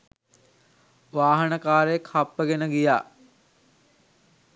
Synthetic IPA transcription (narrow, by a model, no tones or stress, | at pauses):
ʋaːɦənəkaːɾejekhapːəɡenəɡijaː